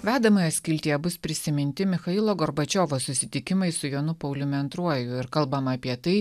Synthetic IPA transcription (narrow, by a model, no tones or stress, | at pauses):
ʋʲæːd̪ɐmɐjɐt̪sʲkʲɪlʲt̪ʲijɛbʊspʲɾʲɪsʲɪmʲɪnʲt̪ʲɪmʲɪxɐilˠoːɡɔɾbɐt͡ʃʲoːʋosʊsʲɪt̪ʲɪkʲɪmɐɪsʊjoːnʊpɐʊlʲʊmʲɐnt̪ɾuɔjʊɪɾkɐlˠbɐmɐːpʲiɛt̪ɐɪ